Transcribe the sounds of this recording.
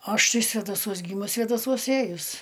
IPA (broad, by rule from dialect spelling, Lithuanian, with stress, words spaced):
ˈɐʃ ˈtɐɪ sʲʋʲɛdɐˈsuɔs ˈɡʲiːmʊs sʲʋʲeːdɐˈsuɔs ˈeːjʊs